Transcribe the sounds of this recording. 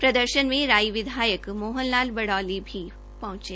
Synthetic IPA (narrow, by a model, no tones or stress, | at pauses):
pɾɐd̪əɾʃənmẽɾaːiʋɪd̪ʱaːjəkmoːɦənlaːlbɐɽaːlibʱi | pɐ̃ɦʊ̃t͡ʃeː